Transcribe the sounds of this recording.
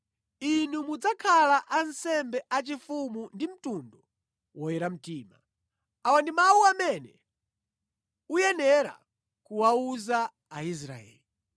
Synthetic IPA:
inumud͡zakʰalaʔansɛmbɛʔat͡ʃifumundim̩tundɔ | wɔjɛɾam̩tiːma | awandimawuamɛnɛ | ujɛnɛɾa̰ | kuwauzaː | is̬ɾa̰ɛ̰ːli

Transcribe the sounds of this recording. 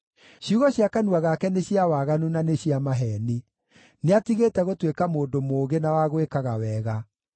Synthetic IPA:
ɕjuɣɔɕiakanuaɣakɛneɕiawaɣanunaneɕiamaɦɛni | neatiɣetɛɣotwekamoːdomoːɣenawaɣwekaɣawɛːɣa

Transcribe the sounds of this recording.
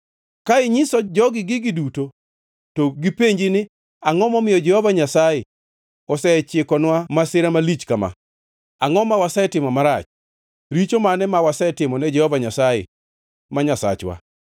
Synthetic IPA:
kaɪɲɪsɔd͡ʒɔɡɪɡɪɡɪduto | toɡipeɲd͡ʒɪnɪ | aŋɔmɔmɪjɔd͡ʒɛhɔvaɲasajɛ | ɔsɛt͡ʃɪkɔnwamasɪɾamalit͡ʃkama̰ | aŋɔmawasɛtɪmɔmaɾat͡ʃ | ɾit͡ʃomanɛmawasɛtɪmɔnɛd͡ʒɛhɔvaɲasajɛ̰ | maɲasa̰t͡ʃwa̰

